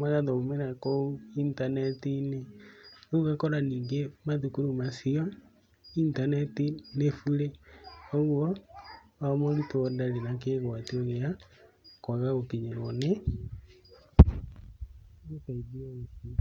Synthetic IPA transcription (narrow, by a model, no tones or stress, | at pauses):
maɣaðɔomɛnakouintanɛtineouɣakɔɾaniːŋɡemaðukuɾomasiɔ | intanɛtinefuɾeoɣwɔ | amɔɾitɔdaɾenak̬eɣwateoɣea | kwaɣaokiɲeɾɔne | okaiβiaoti